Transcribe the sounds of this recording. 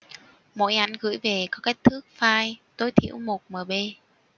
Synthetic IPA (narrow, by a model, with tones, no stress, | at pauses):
mo̰˧˥jʔa˨˦nɣɨ̰˧˥jve˨˩kɔ˨˦ke˦˥jk̚t̪ʰɨ˦˥k̚faː˧jt̪o˧jt̪ʰḭ˧˨əwmo˨˩t̚məː˨˩ɓe˧